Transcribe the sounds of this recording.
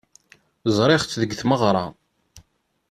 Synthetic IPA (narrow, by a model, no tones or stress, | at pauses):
zˤɾˤɪχt͡sːðəɡθməʁɾˤɑ̰